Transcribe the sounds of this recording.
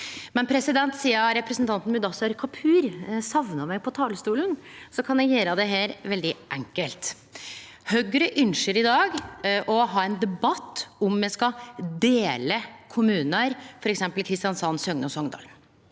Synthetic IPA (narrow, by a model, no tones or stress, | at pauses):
mɛnpʰɾɛsɪd̪ɛnt̪siːəɾɛpɾəsnt̪ʰɑnt̪n̩mʉd̪ɑsæɾkʰɑpʰʉːɾsɑʋnəmæɡpʰɔt̪ʰɑːləst̪uːlənsɔkʰɑnjæɡjeːɾəd̪ɛɦeːɾʋɛld̪ɪʔɛŋkəlt̪ | hœɡɾəʔʏnʃəɾɪd̪ɑːɡʔɔɦɑːɛnd̪ɛbɑt̪ːɔmːjɛskɑd̪eːləkʰʊmʉːnəɾfɔɾɛksɛmpəlkʰɾɪst̪ɪjɑnsɑnsœŋnəɔsɔŋd̪ɑ̰ːln